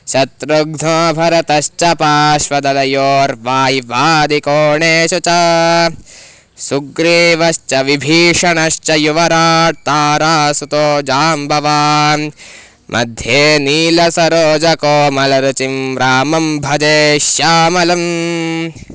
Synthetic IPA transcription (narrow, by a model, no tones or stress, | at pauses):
ʃɐt̪ɾuɡd̪ʱõːbʱɐɾɐt̪ɐʃt͡ʃɐpaːʃʋɐd̪ɐlɐjoːɾʋaːɦiʋaːd̪ikoːɳeːʃut͡ʃɐ | suɡɾiʋɐʃt͡ʃɐʋibʱiːʂɐɳɐʃt͡ʃɐjuʋɐɾaːt̪aːɾaːsut̪oːd͡ʒaːmbʱɐʋaː | mʔɐ̰d̪ʱjeːniːlɐsɐɾoːd͡ʒɐkoːmɐlɐɾut͡ʃimɾaːmɐmbʱɐd̪eːʃjaːmɐlɐm